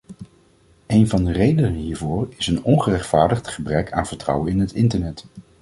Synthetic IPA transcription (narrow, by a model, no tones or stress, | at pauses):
ejnvɑndərejdənənɦiːɹvʊːɹɪsənɔnχərɛχtfaːɹdəχtχəbrɛkʰa̰ːnv̥əɹtrʌ̰wənɪnɦətɪntəɹnɛt